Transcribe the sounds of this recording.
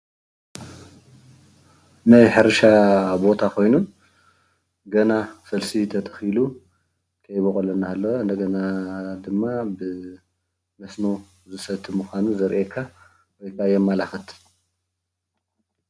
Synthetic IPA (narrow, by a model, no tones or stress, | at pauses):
najħɨɾʃabo̞t̪ʰakʰo̞jnun | ɡɐnasɐlsit̪ʰɐt̪ʰɐ̥xilu | kʰɐjbokʼolɐnːaalːoɨnd̪ɐɡɐnad̪ɨmːabɨ | mɐsno | zɨsɐt̪ʰːɨmɨxʷanuzɐɾʔekʰːa | wɔjkʰajɛmːalaxɨt̪ʰ